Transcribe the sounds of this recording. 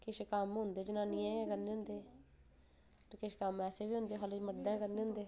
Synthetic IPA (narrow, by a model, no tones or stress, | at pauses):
kɪʃkamɦʊnd̪eːd͡ʒənaːniːɛ̃ːkəɾneːʊ̃nd̪eː | kɪʃkəmɛːseːʋiːɦʊ̃nd̪eːɦaːled͡ʒməɾd̪ɛ̃ːkəɾneːɦʊ̃nd̪eː